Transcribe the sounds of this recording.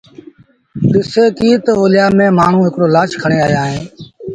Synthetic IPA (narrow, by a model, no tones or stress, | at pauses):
ɗ̪ɪseːkiːt̪oɦoːlɪjaːmẽːmaːɳ̤ũːɦɪkɽoːlaːt͡ʃkʰəɳeːaːjaːɦẽː